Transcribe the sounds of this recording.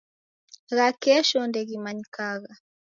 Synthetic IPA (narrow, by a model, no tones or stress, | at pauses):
ɣakɛʃɔndɛɣimaɲikaɣa